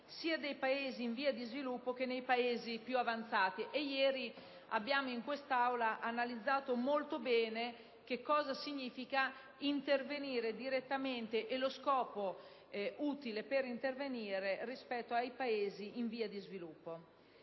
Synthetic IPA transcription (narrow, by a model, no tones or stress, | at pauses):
siːad̪ejpaeːziːɱviːad̪izvilupːokenejpaeːzipjuavant̪saːt̪iʔejɛːɾi | a̰bːjaːmoiŋkwest̪awlaʔanalid̪zːaːt̪omolt̪obɛːne | k̟ekːɔːzasiɲːiːfika | int̪erveniːɾed̪iɾet̪ːament̪eʔeloskɔːpo | ʔuːt̪ilepeɾint̪erveniːɾerispɛt̪ːoajpaeːziʔiɱviːad̪izvilupːo